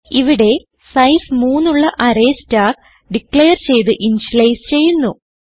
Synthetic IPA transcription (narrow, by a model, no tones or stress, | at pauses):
iʋiɽe̞ | sɐjsmuːnːuɭːɐʔɐɾeːstaːk | ɖikɭejɐrt͡ɕe̞jt̪̬ɨʔinɕlejst͡ɕe̞jːunːu